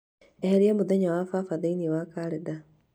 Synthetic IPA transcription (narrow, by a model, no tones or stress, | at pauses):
eheɾiemuðeɲawafafaðeiniwakaɾeda